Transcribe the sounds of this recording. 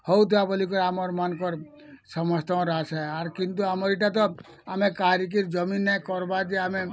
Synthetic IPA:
hɔut̪ʰiabəlik̬ɔɾamɔɾmankɔɾ | səmɔd͡ʒt̪aõɾasɛaɾkɪnt̪uamɔɾiʈat̪̬ɔ | amẽkaɾik̬iɾd͡ʒəminːɛkɔɾbad͡ʒ̪eamẽ

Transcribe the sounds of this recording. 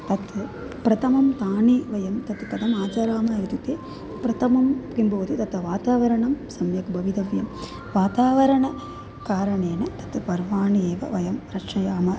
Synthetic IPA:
t̪ɐt̪ | pɾɐt̪ʰɐmɐmt̪aːɳiʋɐjɐmt̪ɐt̪kɐd̪ɐmaːt͡ʃɐːɾaːmɐjɐt̪ut̪eː | pɾɐt̪ɐmɐmkimboʋɐt̪it̪ɐt̪ɐʋaːt̪aːʋɐɾɐɳɐmsɐmjɐkbʱɐʋid̪ɐʋjɐm | ʋaːt̪aːʋɐɾɐɳɐ | kaːɾɐɳeːnɐt̪ɐt̪pɐɾʋaːɳieːʋɐ̰ʋɐjɐmɾɐʂɐjaːmɐ

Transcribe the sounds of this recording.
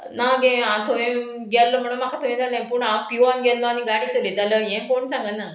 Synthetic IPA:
naɡẽãt̪ʰoʋẽ | ɡɛlːəm̤əɽ̃umakʰat̪ʰoʋẽd͡zalaĩpuɳãmpijuanɡɛlləañiɡaɽiːt͡səlid͡z̪aləjẽkoɳsãŋɡənːa

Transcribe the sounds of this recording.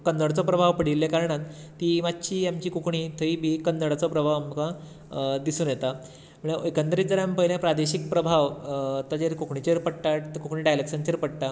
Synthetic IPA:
kənd̪əɽt͡sɔpɾəbʱaʋpəɽ̤ilːekaɾɳãt̪t̪iːmat̪ːɕiːamt͡ɕiːkukɳiːt̪ʰəibʱiːkənd̪əɽat͡sɔpɾəbʱaʋamka | d̪isuːnjet̪a | m̤əɳ̃eojkənt̪əɾiːd͡zəɾjampəiljãpɾad̪eɕik̚pɾəbʱaʋt̪ad͡ʑeɾkukɳit͡ɕeɾpəɽʈakukɳiːɖajləkɕənt͡ɕeɾpəɽʈa

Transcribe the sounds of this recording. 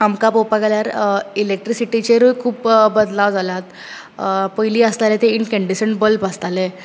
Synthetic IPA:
amkapopaɡaljaɾilek̚ʈɾisiʈit͡ɕeɾujkʰuːpbəd̪laʋd͡zalat̪ | pəjliːəst̪alet̪einkəɳɖisəɳʈbəlpəst̪ale

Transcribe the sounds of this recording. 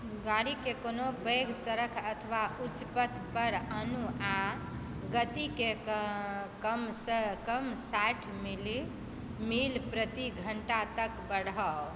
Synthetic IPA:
ɡaɽikekonopeɡsəɾəkʰət̪ʰʋaut͡ʃpət̪ʰpəɾənua | ɡət̪ike | kəmsəkəmsaʈʰmili | milpɾət̪iɡʱəɳʈat̪əkbəɽɦɔ

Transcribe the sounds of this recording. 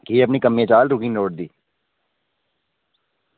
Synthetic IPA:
kieɐp̬nikɐmːẽt͡ʃaːlɾʊkĩnoːʈ̚d̪iː

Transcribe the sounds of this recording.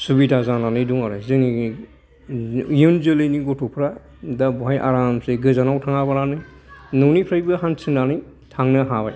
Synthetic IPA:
subidazananɯjduŋaɾɯzɯŋi | junzɯlɯjniɡɔtʰupʰɾa | dabɔɦajʔa̰ɾamseɡɯzanawtʰaŋabaɾanɯj | nɔwnipʰɾajbɯɦansʰinanɯj | tʰaŋnɯɦabaj

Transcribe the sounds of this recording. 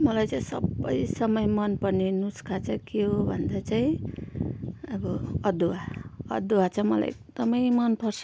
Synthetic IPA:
mʌlajt͡saĩsʌ̰bːʌ̰jsʌmʌjmʌnpʌnenuskʰat͡sʰʌkeɦobʱʌnd̪at͡saĩ | ʌbʌʌd̪uwaʌ̰d̪uwat͡sʰʌmʌla̰jḛk̚d̪ʌmʌjmʌnpʌrsʰ

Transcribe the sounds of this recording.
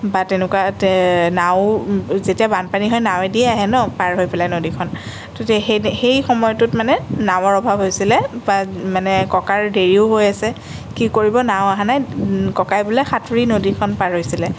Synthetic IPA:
batenɛkwatnawzetiabanpaniɦɔjnawɛdiɛaɦɛnɔpaɹɦojpɛlajnodikʰɔn | totɛxejxɔmɔjɔtʊtmanɛnaw̃ɔɹɔbʱabɦojsilɛbamanɛkɔkaɹdeɹiʊɦojasɛ | kikoɹibɔnaw̃aɦanajkɔkajbulɛxatʰuɹinodikʰɔnpaɹɦojsilɛ

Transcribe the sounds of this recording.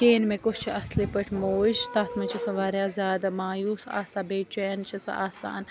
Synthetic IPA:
keːnmẽkot͡ʃt͡ʃʰiɐslipəʈʰmoːʃt̪ɐt̪ʰmɐt͡ʃʰɐsɐʋaːɾaːzaːd̪maːjuːsa̰ːsabeːt͡ʃʰuent͡ʃʰɐsa̰ːsa̰ːn

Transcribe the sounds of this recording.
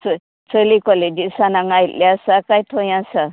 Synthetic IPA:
t͡s | t͡səlikɔled͡ʒisanaŋajt̪ljasakajʈʰɔjãsa

